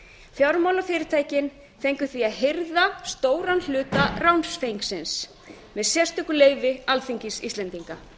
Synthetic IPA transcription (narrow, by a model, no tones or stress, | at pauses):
fjawɾmawlafɪːɾɪɾ̥t̪ʰaːjcɪn | θejŋkʏθviaðɦeɾðast̪oːwɾanl̥ʏːt̪arawnsfejŋksɪns | mɛðsjɛst̪ʏkʏleːjvɪalfiɲcisḭst̪lɛnt̪iŋka